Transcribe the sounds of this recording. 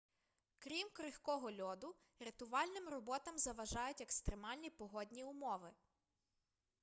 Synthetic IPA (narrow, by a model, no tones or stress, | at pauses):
kɾʲimkɾɪxkɔɦɔlʲɔd̪ʊ | ɾet̪ʊʋɑlʲnɪmrɔbɔt̪ɐmzɐʋɐʒɑjʊtʲekst̪ɾemɑlʲnʲipɔɦɔdʲnʲiʊmɔʋɪ